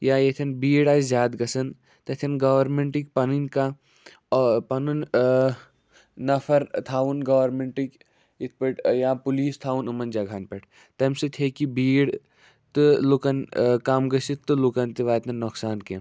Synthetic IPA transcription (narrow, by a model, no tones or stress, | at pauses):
jaːjet̪ʰɐnbiːɽaːzʲjaːd̪ɡɐsɐn | t̪ɐt̪ʰɐnɡɐʋɐɾmeɳʈik̚pɐninka | pɐnun | nɐfʰɐɾt̪ʰaːʋunɡɐːʋɐɾmeɳʈik | it̪̚ʰpɐʈjaːpuliːst̪ʰaːʋunumɐnd͡ʒɐɡʱaːnpɐʈ | t̪ɐmsit̪ʰeːkibiːɽ | t̪ɨlukɐnkaːmɡɐsit̪ːɨlukɐnt̪iʋaːt̪ɐnnːɔksaːnke